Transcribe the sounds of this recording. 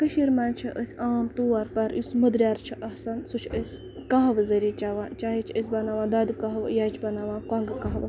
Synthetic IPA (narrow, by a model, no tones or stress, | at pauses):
kɐʃiɾmant͡ʃʰiʔə̰sʲaːmt̪uʋaɾpɐɾjusmɐd̪ɾʲjaːɾt͡ʃʰiʔɐhsɐnsut͡ʃʰəsʲ | kaɦɐʋzɐɾiːt͡ʃaʋaːt͡ʃaːɦit͡ʃʰəs̬ʲbɐnaːʋãːd̪ɐːd̪kɐɦɐʋjat͡ʃʰbɐnaːʋaːkaːŋɡɨkɐɦɐʋ